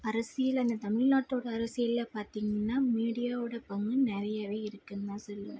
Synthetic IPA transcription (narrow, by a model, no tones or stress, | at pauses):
ɐɾɐsɪjɪlɐnd̪ɐt̪ɐmɪɻnaːʈːoːɽɐːɾɐsɪjɪlːapaːɾt̪iːŋɡɐnːaːmiːɽɪjaːʋɯɽɐpɐŋɡɯnɛɾɐjaːʋeːɪɾɯkːɯnd̪ãːsɔlːɐ̰